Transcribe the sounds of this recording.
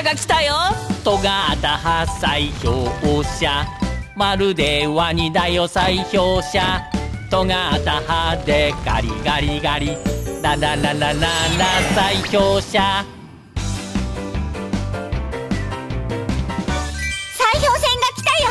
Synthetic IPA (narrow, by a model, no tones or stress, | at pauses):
ɡakʲi̥t̪ajot̪oɡaat̪ahasaiçoːoɕamaɾɯ̟d̪eβaɲ̟id̪aiosaiçoːɕat̪oŋaːt̪ahad̪eɡa̰ɾʲḭɡaɾʲiɡaɾʲinanananananasaiçoːɕa | saiçoːsẽŋɡakʲi̥t̪ajo